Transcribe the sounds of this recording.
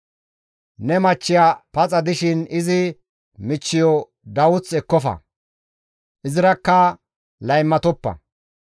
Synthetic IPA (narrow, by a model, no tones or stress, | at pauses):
nɛmɐt͡ʃːɪjapɐt͡sʼɐd̪ɪʃɪnɪzɪ | mɪt͡ʃːɪjɔ | d̪ɐwʊt͡sɛkːɔfɐ̰ | ʔɪzɪɾɐkːɐ | lɐjmːɐt̪ɔpːɐ̰